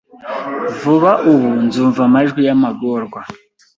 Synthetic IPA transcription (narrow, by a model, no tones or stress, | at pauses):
vuβaʔuwund͡zuɱvamaʒwijamaɡɔːrɡwa